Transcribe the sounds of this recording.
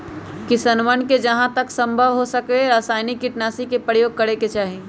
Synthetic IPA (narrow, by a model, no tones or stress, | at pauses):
kisənʋənked͡ʒɐɦãt̪əksə̃mbʱəʋɦosəkeɾaːsaːɪnɪkːɪʈnaːsikepɾəjoːɡ̚kəɾeket͡ʃaːɦie